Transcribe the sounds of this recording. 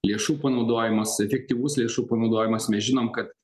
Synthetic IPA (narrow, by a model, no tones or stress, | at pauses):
lʲeɛʃuːpɐnɐʊd̪oːjɪmɐsɛfʲɛk̚t̪ʲiːʋʊslʲeɛʃuːpɐnɒʊd̪oːjɪmɐsmʲɛsʒʲɪnoːmkɐt̪